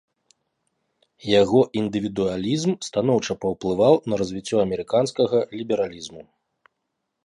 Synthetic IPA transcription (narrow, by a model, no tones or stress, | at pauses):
jaɣɔʔind̪ɨvʲid̪ualʲizmst̪anɔwt͡ʂɐpɐwplˠɨvawnɐɾɐzʲvʲit͡sʲːɔɐmʲɛɾɨkanskɐɣɐlʲibʲɛɾalʲizmu